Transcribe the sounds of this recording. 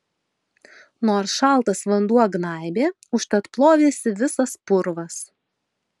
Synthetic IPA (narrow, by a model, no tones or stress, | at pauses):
noːɾsʃɑˑlˠt̪ɐsʋɐnd̪uɔɡnɑˑɪbʲeː | ʊʃt̪ɐt̪plˠoːʋʲeːsʲɪʋʲɪsɐspʊɾʋɐs